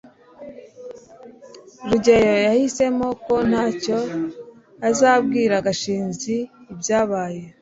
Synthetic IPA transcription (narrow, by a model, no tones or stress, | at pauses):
ɾuɟejo̞jahise̞mo̞ko̞n̥haːco̞ | azaːbɡiːɾaɡaʃiːnziːbjaːβaːje̞